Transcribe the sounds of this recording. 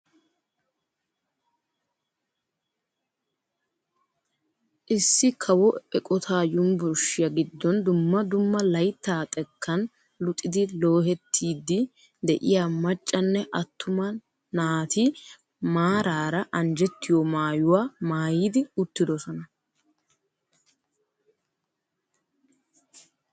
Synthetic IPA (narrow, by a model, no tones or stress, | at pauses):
ʔɪsːɪkʰɐwɔɛkʼɔt̪ʰaːjʊmbʊɾʃɪjɐɡɪd̪ːɔnd̪ʊmːɐd̪ʊmːɐlɐjt̪ːaːt̪ʼɛkːɐn | lʊt̪ʼːɪd̪ɪlo̞ːɦɛt̪ʰːiːd̪ːɪ | d̪ɛʔɪjaːmɐt͡ʃʼːɐnːɛʔɐt̪ːʊmɐ | naːt̪i | maːɾaːɾɐʔɐnd͡ʒɛt̪ːɪjɔmaːjʊwaːmaːjiːd̪ɪʊt̪ːɪd̪ɔsɔnɐ